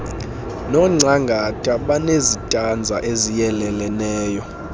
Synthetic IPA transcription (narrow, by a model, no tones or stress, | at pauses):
nɔŋ͡ǀaŋɡʱatʼaɓanezitʼand͡zʱaʔezijɛlɛlɛnɛːjɔ